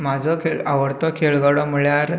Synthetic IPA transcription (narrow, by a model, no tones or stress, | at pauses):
mad͡zʱɔkʰeɭaʋəɽt̪ɔkʰeɭɡaɽɔməɭjaɾ